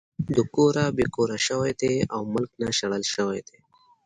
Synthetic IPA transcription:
d̪əkoɾabekoɾaʃəwajd̪eawmʊlknaʃɐɽəlʃəwajd̪e

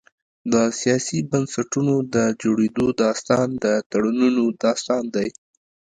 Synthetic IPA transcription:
d̪əsijɑsibansaʈunod̪əd͡ʒoɽed̪od̪ɑst̪ɑnd̪ət̪aɽununod̪ɑst̪ɑnd̪aj

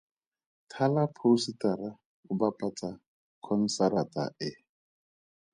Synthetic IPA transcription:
tʰalapʰositaɾa | ʊbapʼat͡sʼa | kʰɔn̩saɾatʼa̰ʔɪ

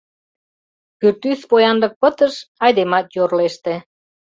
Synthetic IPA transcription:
kyrt̪yspojɑnd̪ɤk̚pə̆t̪əʃɑjd̪emɑt̪jorleʃt̪ĕ

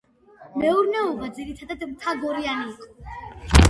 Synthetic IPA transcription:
mɛuɾnɛɔbad̪ziɾit̪ʰad̪ad̪mt̪ʰaɡɔɾianiːqʼɔ̥

